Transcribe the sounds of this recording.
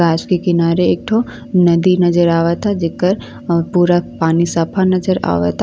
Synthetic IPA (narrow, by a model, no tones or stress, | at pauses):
aːd͡ʒkekɪnaːɾeeːk̚ʈʰo | nɐd̪inɐd͡ʒəɾaːʋat̪ʰad͡ʒekːəɾ | puːɾapaːnisɐpʰanɐd͡ʒəɾa̰ːʋa̰t̪ʰa